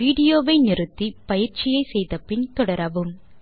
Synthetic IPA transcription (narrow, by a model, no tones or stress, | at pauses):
ʋiːɽɪjoːʋɐɪnɪrɯt̪ːipɐjɪɾt͡ʃɪjɐɪsɛjðɐpːɪnt̪ɔɽɐɾɐʋɯm